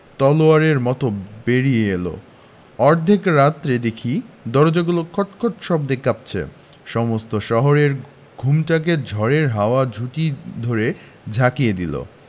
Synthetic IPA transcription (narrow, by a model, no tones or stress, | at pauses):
t̪ɔloaɾeɾmɔt̪obeɾijeelo̰ | ɔɾd̪ʱekɾat̪ːɾed̪ekʰid̪ɔɾd͡ʑoɡulokʰɔʈkʰoʈʃɔb̚d̪ekʰːap̚t͡ɕʰḛ | ʃɔmost̪oʃɔɦoɾeɾ | ɡʱumʈak̬ed͡ʑʱɔɾeɾɦaoad͡ʑʱuʈid̪ʱoɾe | d͡ʑʱakijed̪ḭlo̰